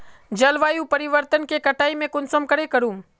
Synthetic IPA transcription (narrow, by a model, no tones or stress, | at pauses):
d͡ʒɐlʋaːjũpɐɾɪʋəɾt̪ənkekɐʈaːimẽkʊnsəmkɐɾekɐɾũː